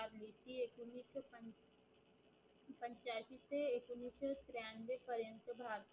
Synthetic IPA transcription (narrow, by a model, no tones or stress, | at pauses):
aɾleːt̪iekunːisəp | pə̃ɲt͡ʃaːʃit̪eekunːiːsət̪ɾjaːnʋepəɾjə̃nt̪əbʱaːɾt̪